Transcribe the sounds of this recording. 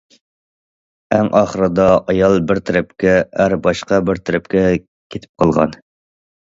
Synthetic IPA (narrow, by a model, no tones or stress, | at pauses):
æŋʔɑχəɾɨd̪ɑʔɑjɑlˠbɪɾt̪ʰɾɪpkʲʰɛæɾbɑʃqɑbɪɾt̪ʰɪɾɪp̚kʲɛ | kʲʰet̪ʰɪ̥p̚qʰɑlˠʁɑ̰n